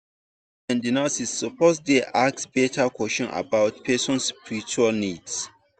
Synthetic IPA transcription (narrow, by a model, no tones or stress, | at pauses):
ɛ̃ndinasisːɔposdeʔaksbetʰakwɛst͡ʃɔ̃nʔa̰baʊtpʰɛsɔ̃nspiɹit͡ʃualnids